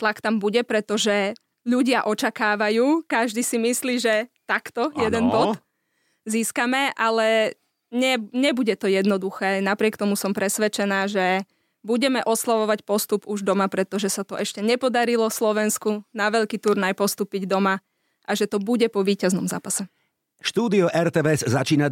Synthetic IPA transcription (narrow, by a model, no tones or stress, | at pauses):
t̪lakt̪ambuɟɛpɾɛt̪ɔʒɛ | ʎuɟɪaʔɔt͡ʃakaːʋajuːkaʒd̪isimisliːʒɛt̪akt̪ɔjɛd̪ɛnbɔd̪ | ziːskamɛʔalɛ | ɲɛɲɛbuɟɛt̪ɔjɛd̪nɔd̪uxɛːnapɾɪɛkt̪ɔmusɔmpɾɛsʋɛt͡ʃɛnaːʒɛ | buɟɛmɛʔɔslaʋɔʋacpɔst̪upuʒd̪ɔmapɾɛt̪ɔʒɛsat̪ɔʔɛʃcɛɲɛpɔd̪aɾilɔslɔʋɛnskunaʋɛʎkiːt̪uɾnajpɔst̪uːpiɟd̪ɔma | ʔaʒɛt̪ɔbuɟɛpɔʋiːcaznɔmza̰ːpasɛ | ʃt̪uːd̪iɔʔɛɾt̪ɛːʋɛzːat͡ʃiːna